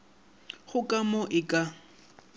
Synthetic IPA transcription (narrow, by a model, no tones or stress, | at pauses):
χʊkʼamɔʔɪkʼa